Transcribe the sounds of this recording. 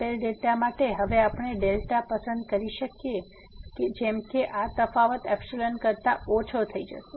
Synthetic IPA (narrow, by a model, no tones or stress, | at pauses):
pelɖelʈ̪amaʈeɦəʋeapɳ̃eɖelʈapəsə̃nd̪̚kəɾiʃəkje | ked͡ʒemkeʔat̪əfaʋət̪ɛpselənkəɾt̪aot͡ʃʰot̪ʰəid͡ʒə̰ʃe